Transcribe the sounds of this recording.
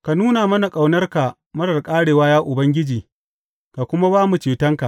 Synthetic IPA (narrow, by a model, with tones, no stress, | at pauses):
ka˨nuː˦na˨mɐ˦na˨kʼa˨wnɐ˦rka˨ | mɐ˦ɽɐ˨rkʼaː˦ɽeː˨waː˦jaː˦ʔʊ˨bɐ˦ŋɡʲɪ˦d͡ʒiː˨ | ka˨kʷʊ˦ma˦baː˦mu˨t͡ʃeː˨tɐ˦ŋka˨ʔ